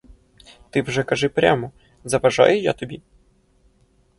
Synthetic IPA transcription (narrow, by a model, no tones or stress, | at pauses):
t̪ɪwʐɛkɐʐɪpɾʲa̰mɔ | zɐʋɐʒa̰jʊja̰t̪ɔbʲi